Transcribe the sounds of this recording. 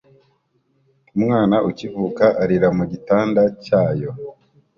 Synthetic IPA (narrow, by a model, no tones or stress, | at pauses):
umŋaːnaʔucivuːkaʔaɾiɾamuɟitaːndacaːjo̞